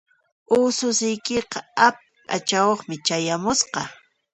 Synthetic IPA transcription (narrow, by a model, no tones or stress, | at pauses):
ʊːsʊsɪjkeqɑap̚ɪat͡ʃawoχmɪt͡ʃajamʊsqɑ